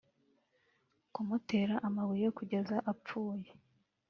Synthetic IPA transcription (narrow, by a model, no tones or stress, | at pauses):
kumute̞ːɾaʔamaβuje̞kuɟe̞zaʔap͡fuːje